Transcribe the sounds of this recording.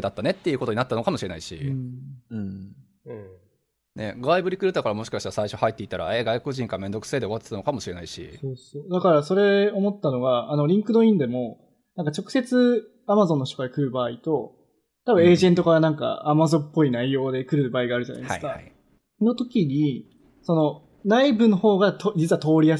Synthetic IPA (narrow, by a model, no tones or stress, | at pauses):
d̪at̪ːane̞t̪ːe̞iɯ̟kot̪oɲ̟inat̪ːano̞kamo̞ɕiɾe̞naiɕḭ̃ | ɯ̟̃ | ne̞̰ɡaibɯ̟ɾʲikɯ̟ɾɯ̟t̪akaɾamo̞ɕi̥kaɕit̪aasaiɕo̞hait̪ːe̞it̪aɾa̰eɡaikoʑĩŋkaɾamẽ̞nd̪o̞kɯ̟̥se̞ːd̪e̞o̞at̪ːe̥t̪anokamoɕiɾe̞naiɕḭso̞ːso̞ːd̪akaɾaso̞ɾe̞o̞mo̞t̪ːano̞ɡaano̞ɾʲĩŋkɯnoĩnd̪e̞mo̞ | nãŋkat͡ɕo̞kɯ̟se̞t͡sɨ | amazonːo̞ç̬it̪okaɾakɯ̟ɾɯ̟baːit̪o̞ | t̪abɯ̟̃e̞ːʑẽ̞nt̪o̞kaɾanãŋka̰amazõ̞mpːo̞inaijo̞ːd̪e̞kɯ̟ɾɯ̟baːiɡaːɾɯ̟ʑana̰id̪ɨ̰ɨkaa̰ | no̞t̪o̞kʲiɲ̟i | so̞no̞ | naibɯ̟noho̞ːɡat̪od͡ʑit͡sɨɯβat̪o̞ːɾʲia